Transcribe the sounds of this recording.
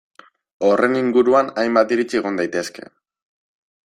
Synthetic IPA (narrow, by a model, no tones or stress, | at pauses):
o̞re̞niŋɡuɾuanajmbat̪iɾit͡sieɣ̞o̞nd̪ajt̪e̞ske̞̰